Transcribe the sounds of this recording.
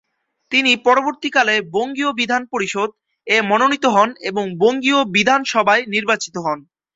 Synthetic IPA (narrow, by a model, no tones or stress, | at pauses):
t̪inipɔɾoboɾt̪ikaleboŋɡiobid̪ʱanpoɾiʃod̪̚ | emononit̪oɦɔneboŋboŋɡiobid̪ʱanʃɔbʱaeniɾbat͡ɕit̪oɦɔn